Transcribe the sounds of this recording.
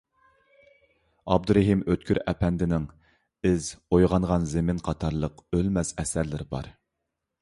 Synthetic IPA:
ɑb̚d̪uɾɛɦimøt̪̚kʲyɾɛpʰɛnd̪ɪnɪŋ | ɪzojʁɑŋʁɑnzɪmɪnqʰɑt̪ʰɑɾlˠəqølmɛsɛsæɾlɪɾbɑ̰ɾ

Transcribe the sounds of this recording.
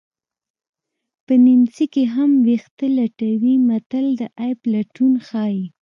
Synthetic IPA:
pənɪmsikeɦamwext̪əlaʈawimat̪əld̪əʔajblaʈunxɑi

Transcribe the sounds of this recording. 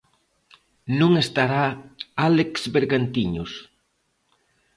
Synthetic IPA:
nũŋest̪aɾaaleksβeɾɣant̪iɲʊs

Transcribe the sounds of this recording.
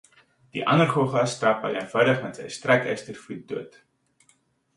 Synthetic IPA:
d̥ḭʔɐnərχoχɐsːtɐpɐ̰jə̰nvɐwdəχmɛtzɛ̰jstrɛkɛ̰stərfut̚duət

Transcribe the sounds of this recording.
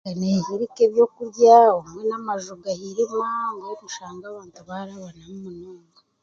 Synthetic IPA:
anehiɾikeβjo̞kuɾɟaomŋenamaʒuɡahiɾemŋaŋɡaomuʃaːŋɡaːβaːntuβaɾaβanamumunoːŋa

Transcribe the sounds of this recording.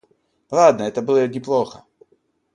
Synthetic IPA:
lˠad̪nəɛt̪əbɨlˠəɡʲɪplˠoxə

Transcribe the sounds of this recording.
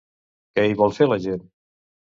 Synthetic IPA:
kɛiβɔlˠfeləʒen

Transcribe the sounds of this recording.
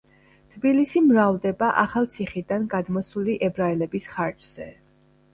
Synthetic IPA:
t̪ʰbilisimɾavd̪ɛbaʔaχalˠt̪sʰiχid̪anɡad̪mɔsuliʔɛbɾaɛlɛbisχaɾt͡ʃz̥ɛ

